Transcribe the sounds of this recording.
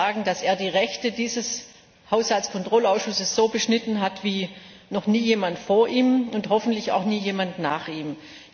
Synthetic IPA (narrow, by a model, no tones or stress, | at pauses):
aːɡŋ̩daseːɐdiːʁɛçtədiːzəs | haʊshaltt͡skʰɔntʁ̥ɔlaʊsʃʊsəsz̥oːbəʃnɪtn̩ɦatv̥iː | nɔχniːjeːmantfoːɐʔiːmʊnthɔfn̩tlɪça̰ʊxniːjeːmantnaːχʔiːm